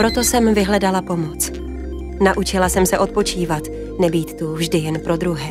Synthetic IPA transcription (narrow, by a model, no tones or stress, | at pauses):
pɾo̞t̪o̞sɛmvɪɦlɛdalapo̞mot͡s | naʔut͡ʃɪlasɛmsɛʔo̞t̪̚po̞t͡ʃiːvat̪ | nɛbiːt̪ːuvʒdɪjɛnpɾo̞d̪ɾuɦɛː